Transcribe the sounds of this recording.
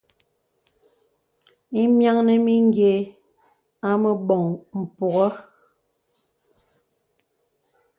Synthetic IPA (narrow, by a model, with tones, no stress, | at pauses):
i˦mja˦ŋne˨mi˦ŋ˦ɡje˨ | a˦mə˨bɔ˨ŋm̩˨pɔ˨ɣɔ˦